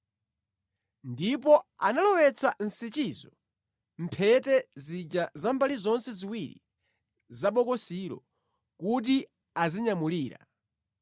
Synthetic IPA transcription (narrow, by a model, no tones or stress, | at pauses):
ndipɔanalɔwɛt͡sʰan̩sit͡ʃiːzɔ | m̩pʰɛtɛzid͡ʒazambalizɔnsɛziwiɾḭ | zaɓɔkɔsiɾɔ̰ | kut̬i | aziɲamuliːɾa̰